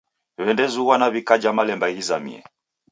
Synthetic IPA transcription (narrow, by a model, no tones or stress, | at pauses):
βɛndɛzuwanaβikad͡ʒamalɛmbaiizamḭɛ̰